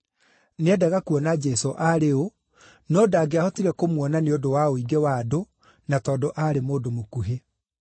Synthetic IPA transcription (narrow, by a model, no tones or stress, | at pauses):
neɛdaɣakuɔnad͡ʒɛsoʔaɾeo | nɔdaːɡeahɔtiɾɛkomwɔnaneodowaoiɡewado | natɔːdoʔaɾemoːdomokuɦe